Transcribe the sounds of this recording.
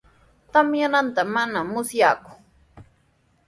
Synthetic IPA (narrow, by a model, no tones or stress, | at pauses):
t̪amjanant̪amanamʊsjaːkʊ̥